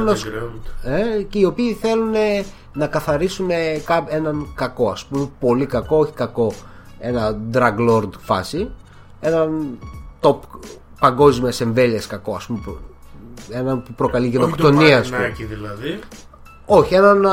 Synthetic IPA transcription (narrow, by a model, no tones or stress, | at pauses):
nos | eceio̞piːθe̞lune | nɐkɐθɐɾisune̞kɐe̞nɐnkɐko̞ɐspumepo̞likɐko̞oçi̥kɐko̞ | e̞nɐd̪ɾɐɡlo̞ɾd̪fɐsi | e̞nɐnt̪o̞p | pɐŋɡo̞zmiɐse̞ɱve̞liɐskɐkoɐspumep | e̞nɐnpupɾo̞kɐliʝenokt̪o̞niɐɐsuiðilɐði | o̞çie̞nɐn